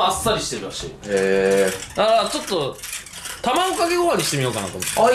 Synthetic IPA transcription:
asːaɾʲiɕi̥e̞ɾɯ̟ɾaɕḭːeːd̪aɾat͡ɕo̞t̪ːo̞ | t̪amaokaɡe̞ɡoβaɲ̟iɕi̥t̪e̞mʲijo̞ːkana̰t̪omot̪ː

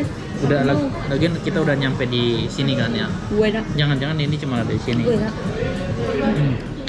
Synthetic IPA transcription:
udala | laɡiankit̪audahɲampɛdisinikanjauenad͡ʒaŋand͡ʒaŋaninit͡ʃəmaladadisinia | ʔm̩

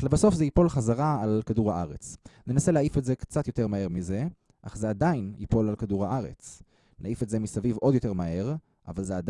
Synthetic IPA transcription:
levaso̞fzeipo̞lχazaʁaalkaduʁaʔaʁe̞̰t͡snenase̞leaifetze̞kt͡sat̪jo̞te̞ʁmahe̞ʁmize̞ | ʔa̰χze̞ad̪ajinḭpo̞lalkaduʁhaʔaʁe̞̰t͡s | neaifetze̞misavivʔo̞djo̞te̞ʁmae̞ʁ | ʔa̰valzead

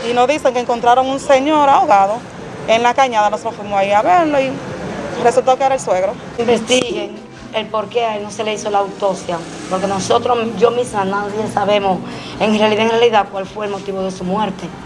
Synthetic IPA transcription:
inozðiseŋkeŋkont̪ɾaɾoŋunseɲoɾaoɣaðo | eŋlakaɲaðanosofwimosaiaβeɾloi | result̪okeeɾaelsweɣɾo | imbest̪iɣeŋ | elpoɾkeaelnoseleisolaːwt̪o̞sja | poɾkenosot̪ɾoʝomismanaðjesaβemos | e̞ŋrealiðaeŋrealiðakwalfweelmot̪iβoðe̞sumwe̞ɾt̪e

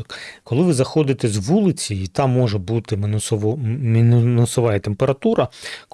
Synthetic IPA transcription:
kkɔlˠɪʋɪzɐxɔd̪ɪt̪ɛzʋulˠɪt͡sʲiit̪ɑmːɔʒɛbut̪ɪ | minunʊsɔʋɑjɛt̪empeɾɐt̪uɾɐk

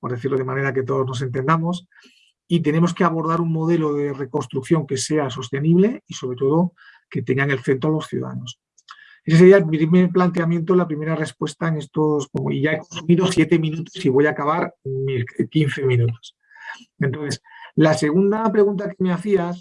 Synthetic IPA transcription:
po̞ɾðe̞θiɾlo̞ð̞e̞mane̞ɾak̬e̞t̪̬o̞ð̞o̞zno̞s̬e̞nt̪̬e̞nd̪amo̞s | it̪̬e̞nẽ̞moske̞aβo̞ɾð̞aɾuŋmo̞ðe̞lo̞ðe̞re̞ko̞nst̪ɾukθjo̞ŋke̞se̞aso̞st̪e̞niβle̞iso̞βɾe̞t̪o̞ð̞o̞ | ke̞t̪e̞ŋɡaŋe̞lθe̞nt̪ɾoalo̞sθjuða̰ða̰no̞s | eses̬eɾiamiɾimeplant̪̬e̞amjẽ̞nt̪̬olapɾime̞ɾare̞spwe̞st̪aeŋe̞st̪o̞skomoiʝaeko̞nsumiðo̞sjet̪e̞mĩnut̪o̞siβo̞jakaβ̞aɾmikin̟θe̞mĩnut̪o̞̥s | ent̪onθe̞slase̞ɣ̞und̪apɾe̞ɣunt̪ake̞me̞aθias

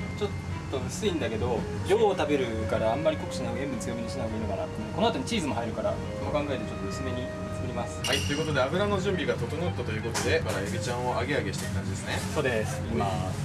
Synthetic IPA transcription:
t͡ɕo̞t̪ː | o̞ɯ̟sɨĩnd̪ake̞d̪o̞ | d͡ʑo̞ːt̪abe̞ɾɯ̟kaɾaːmːaɾʲiko̞kɯ̟̥ɕinaembɯ̟n̟t͡sɨjo̞meɲiɕinaɡinokaɾa̰t̪ːmoko̞no̞at̪o̞ɲ̟it͡ɕiːzɨmo̞ɦaiɾɯ̟kaɾa | kookãŋɡae̞t̪et͡ɕo̞t̪ːoɯ̟sɨme̞ɲ̟i | t͡sɨ̥kɯ̟ɾʲimasɨ̥hait̪ːojɯ̟ko̞t̪o̞d̪e̞abɯ̟ɾano̞ʑɨ̃mbʲiɡat̪o̞t̪onot̪ːat̪o̞jɯ̟ːko̞t̪o̞d̪e̞kaɾaebʲit͡ɕãɰ̃oʔaɡe̞aɡe̞ɕi̥t̪ekɯkãɲd͡ʑid̪esɨneso̞ːd̪esɨ̥ima

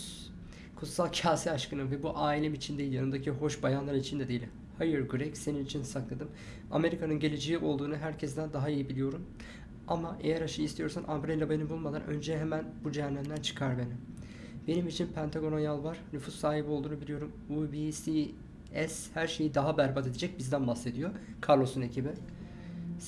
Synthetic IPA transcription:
kʰut̪salˠcʰaːsiaʃkɯnɯvɛbuʔaːilʲemit͡ʃʰind̪eilʲjanɯnd̪acʰiɦo̞ʃbajanlˠaɾɯnit͡ʃʰind̪ɛd̪ejilʲm | hajɯɾɟyɾɛcse̞ninit͡ʃʰinsaklˠad̪ɯm | a̰me̞ɾikʰanɯnɟe̞lʲed͡ʒeiʔo̞lˠd̪uːnɯɦæɾcʰɛsd̪ænd̪aɦaijibilʲijo̞ɾum | amaʔe̞̰jæɾaʃɯist̪ʰijo̞ɾsanʔambɾelʲːabajnɯbulˠmad̪anʔø̞̰nd͡ʒɛɦemænbud͡ʒɛnːæmd̪ænt͡ʃʰɯ̥kʰaɾbenim | b̥e̞nimit͡ʃʰinpʰænt̪ʰaɡo̞ɾonjalˠvaɾ̥nyfusːaːɦibio̞lˠd̪uːnubilʲijo̞ɾum | ubisi | ɛshæɾʃe̞jid̪aɦabæɾbat̪e̞d̪ed͡ʒɛc̚bizd̪ænbahse̞d̪ijo̞ | kʰaɾlˠo̞sune̞cʰibi

